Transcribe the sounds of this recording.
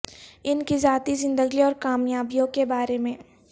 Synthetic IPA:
ɪnkizaːt̪izɪ̃nd̪əɡiɔːɾkaːmjaːbijõkebaːɾemẽː

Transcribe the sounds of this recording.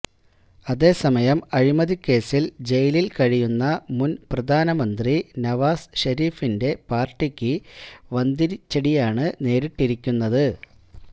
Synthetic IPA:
ɐðe̞ːsɐmɐjɐmɐɻimɐðikːe̞ːsild͡ʑe̞jlilkɐɻijunːɐmunprɐd̪ʱaːnɐmɐnd̪rinɐʋaːsɕɐɾiːfinde̞paːrʈːikʲːɨʋɐnd̪iɾit͡ɕːɐɽijaːɳɨne̞ːɾiʈːiɾikʲːunːɐðɨ

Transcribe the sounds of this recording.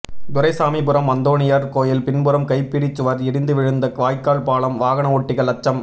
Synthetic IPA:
d̪ʊɾɐɪsaːmipɯɾɐmːɐnd̪oːɳɪjɐɾkoːjɪlpɪnbɯɾɐmkɐɪpːɪɽɪt͡ʃːɯʋɐɾɛɽɪnd̪ɯʋɪɻɯnd̪ɐkʋaːjkːaːɭpaːɭɐmʋaːɣɐɳɐɔʈːɪɣɐɭɐt͡ʃːɐm

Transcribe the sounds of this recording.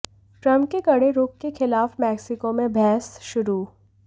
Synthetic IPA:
ʈɾɐ̃mp̚kekɐɽeɾuːp̚kexɪlaːfmɛːksɪkomẽbʱɛːsʃʊɾuː

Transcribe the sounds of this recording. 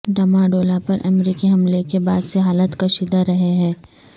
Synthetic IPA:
ɖɐmãɖoːlapɐɾʔɐ̰mɾiːkiɦɐmlekebaːd̪seɦaːlət̪kɐʃiːd̪aɾɐɦeɦɛ̃ː

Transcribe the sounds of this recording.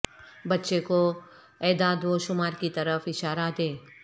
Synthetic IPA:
bɐtːʃeko | ɛːd̪aːd̪ʋoʃʊmaːɾkit̪ɐɾəfɪʃaːɾad̪eː

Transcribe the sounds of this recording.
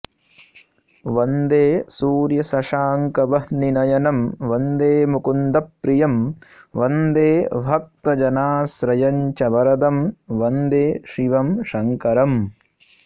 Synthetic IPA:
ʋɐnd̪eːsuːɾjɐsɐʃaːŋkɐbɐhninɐjɐnɐmʋɐnd̪eːmukund̪ɐpːɾijɐmʋɐnd̪eːbʱɐk̚t̪ɐd͡ʒɐnaːsɾɐjɐɲt͡ʃɐbɐɾɐd̪ɐmʋɐnd̪eːʃiʋɐmʃɐŋkɐɾɐm

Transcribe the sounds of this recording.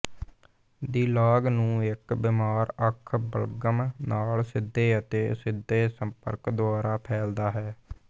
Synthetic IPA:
d̪iːlaːɡnũːɪkbɪmaːɾəkʰbə̰lɡəmnaːlsɪd̪ːeːət̪eːsɪd̪ʱeːsəmpə̰ɾkd̪ʊaːɾaːpʰɛːld̪aːɦɛː

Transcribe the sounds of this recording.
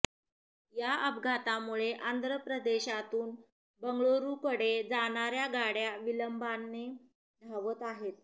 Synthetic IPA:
jaəbɡʱat̪amuɭeʔand̪ɾəpɾəd̪eɕat̪uːn | bəŋɡɭoɾukəɽed͡zaɳ̃aɾjaɡaɽjaʋiləmbanːe | d̪ʱaʋət̪aɦet̪̚

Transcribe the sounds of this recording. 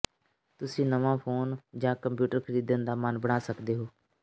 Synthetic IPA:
t̪ʊsĩːnəʋãːpʰoːnd͡ʒãːkəmpjuːʈəɾkʰəɾiːd̪ənd̪aːmənbəɽ̃aːsəkd̪eːɦoː

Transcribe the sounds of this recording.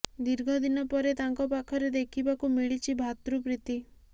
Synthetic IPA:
d̪iɾɡʱɔd̪inɔpɔɾet̪aŋkɔpakʰɔɾed̪ekʰibakumiɭit͡ʃʰibʱat̪ɾupɾit̪i

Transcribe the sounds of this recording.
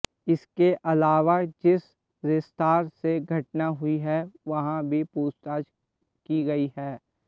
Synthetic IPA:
ɪskeʔɐlaːʋad͡ʒɪs | ɾɪst̪aːɾseɡʱɐʈ̚naɦʊiɦɛʋɐɦãbʱipuːst̪aːd͡ʒ | kiɡɐiɦɛː

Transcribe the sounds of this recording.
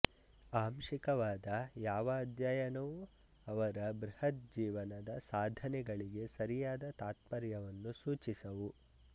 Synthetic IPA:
aːmʃikɐʋaːd̪ɐjaːʋɐːd̪ʱjaːjɐnɐʋu | ɐʋɐɾɐbɾihɐt̪̚d͡ʒiːʋɐnɐd̪ɐsaːd̪ʱɐnɛɡɐɭiɡe̞sɐɾijaːd̪ɐt̪aːt̪̚pɐɾjɐʋɐnːusuːt͡ʃisɐʋu

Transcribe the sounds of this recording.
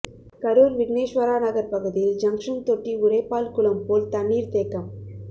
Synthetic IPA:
kɐɾoːɾʋɪɡneːʂʋɐɾaːnɐɣɐɾpɐɣɯðɪjɪld͡ʒɐŋkʂɐnt̪ɔʈːiʊɾɐɪpːaːlkʊɭɐmpoːlt̪ɐɳːiːɾt̪eːkːɐm

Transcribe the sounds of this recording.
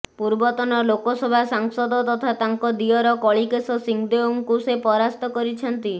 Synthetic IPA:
puɾbɔt̪ɔnɔlokɔsɔbʱasaŋsɔd̪ɔt̪ɔt̪ʰat̪aŋkɔd̪iɔɾɔkɔɭikesɔsiŋd̪euŋkusepɔɾast̪ɔkɔɾit͡ʃʰɔnt̪i

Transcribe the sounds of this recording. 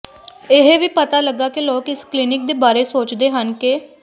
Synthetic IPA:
ɪɦʋiːpət̪aːləɡːaːkɪloːkɪsklɪnɪk̚d̪eːbaːɾeːsoːt͡ʃd̪eːɦənkɪ

